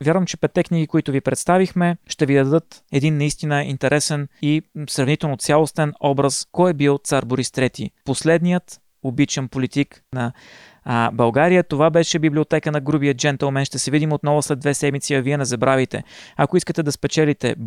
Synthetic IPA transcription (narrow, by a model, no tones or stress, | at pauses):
vʲjaɾvəmt͡ʃɛpɛt̪ːɛkniɡikoit̪ʊvipɾɛt̪st̪avixmɛʃt̪ɛvid̪ɐd̪ɤt̪ɛd̪inːɐist̪inəint̪ɛɾʔɛsɛnisɾɐvnit̪ɛlˠnot̪sjalˠost̪ɛnɔbɾəskɔjɛbilˠt̪saɾboɾist̪ɾɛt̪ḭposlɛd̪nijət̪ | obit͡ʃɛnpolit̪iknɐ | bɐlˠɡaɾijət̪ovabɛʃɛbiblʲiot̪ɛkənɐɡɾubijət̪̚d͡ʒɛnt̪əlˠmɛnʃt̪ɛsɛvid̪imot̪nɔvʊslɛd̪vɛsɛd̪mit̪siɐviɛnɛzɐbɾavit̪ɛ̰ɐkoiskət̪ɛd̪ɐspɛt͡ʃɛlit̪ɛ̰